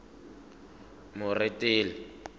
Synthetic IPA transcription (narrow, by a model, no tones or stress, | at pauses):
mʊrɪtʼɪːlɪ